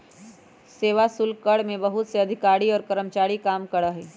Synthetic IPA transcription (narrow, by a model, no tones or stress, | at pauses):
seːʋasʊlkkɐɽmẽbɐɦʊt̪seɐd̪ʱɪkaːɾiɔːɾkɐɾəmt͡ʃaːɾikaːmkɐɾəɦɛː